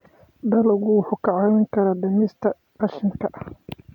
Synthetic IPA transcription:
d̪ɐlʊɣʊwħʊkʰɐʕawɪŋkʰɐɾɐd̪ɐmɪst̪ʰɐ | ɐʃɪŋkʰɐʔɐh

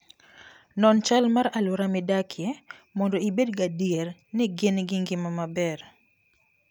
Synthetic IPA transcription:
nɔnt͡ʃalmaɾalʊɾamɪdakʰɪɛmɔndɔibedɡadiɛrnɪɡɪnɡɪŋɡɪmamabɛr

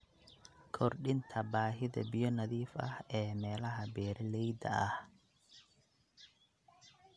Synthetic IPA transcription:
kʰɔrɗɪnt̪ʰɐbaːɦɪðɐ̰bɪjɔnɐðiːfɐ̰hɛːmɛːlɐɦɐbɛːɾɛlɛjd̪ɐ̰ɐh

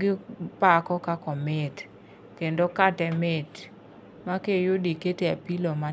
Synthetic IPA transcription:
ɡɪpakɔkakɔmet | kendokatɛmet | makejodiketeapiloma

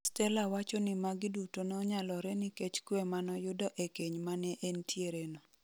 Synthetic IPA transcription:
stɛlawat͡ʃɔnɪmaɡɪdutonɔɲalɔɾɛnɪket͡ʃkwɛmanɔjʊdɔʔekeɲmanɛʔentʰjeɾenɔ

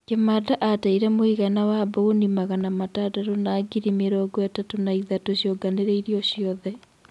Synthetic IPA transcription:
kemadaʔataiɾɛmoiɣanawabaonimaɣanamatadaɾonaɡiɾimeɾɔɡɔatatonaiðatoɕjoɡaneɾeiɾiɔɕjɔðɛ

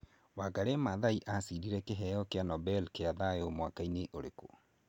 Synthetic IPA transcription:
waɡaɾemaðaiʔasiɾiɾɛkeɦɛjɔkeanɔbɛlkeaðaeomwakaineʔoɾeko

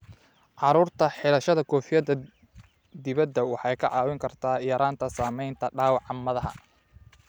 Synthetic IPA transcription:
ʕɑɾuːrt̪ʰɐħɪlɐʃɐðɐkʰɔːfɪjɐd̪ɐ | d̪ɪβɐd̪ɐwɑħɑjkʰɐʕɑːwɪŋkʰɐrt̪ʰaːɪjɐɾaːnt̪ʰɐsaːmɛjnt̪ʰɐɖaːwɑʕɑmːɐðɐɦɐ̰

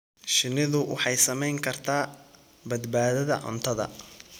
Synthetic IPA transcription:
ʃɪnɪðʊwɑ̰ħɑjsɐmɛjŋkʰɐrt̪ʰaː | bɐd̪baːðɐðɐ̰ʕʊ̰nt̪ʰɐðɐ̰

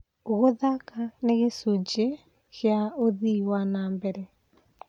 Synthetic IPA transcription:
oɣoðakaneɣesud͡ʒe | ɣjaoðiwanaːmbɛɾɛ

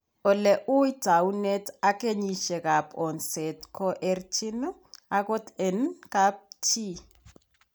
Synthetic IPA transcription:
ɔlɛʔuidawunetakʼeɲiʃɛkapʰʼɔnsɛtkʰɔʔert͡ʃʰinɔ | akɔtɛnkap̚tʰi

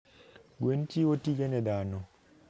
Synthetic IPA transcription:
ɡwentiotiɡenɛdanɔ

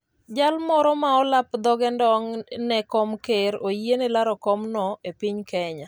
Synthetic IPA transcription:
d͡ʒalmɔɾɔmaɔlapd̪ɔɡɛndɔŋnɛkɔmkeɾojenɛlaɾɔkɔmnɔepiɲkɛɲa

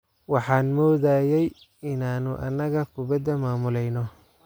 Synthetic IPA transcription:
wɑħɑːnmɔːðaːjɛj | ɪnaːnʊʔɐ̰nːɐɣɐkʰʊbɐd̪ɐmaːmʊlɛjnɔ

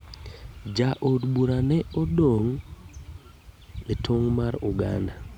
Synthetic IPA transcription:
d͡ʒaʔodbuɾanɛɔdoŋ | etʰoŋmaɾuɡanda

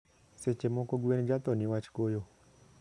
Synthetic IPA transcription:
set͡ʃemokoɡuenid͡ʒat̪ɔniwat͡ʃi̥kojo

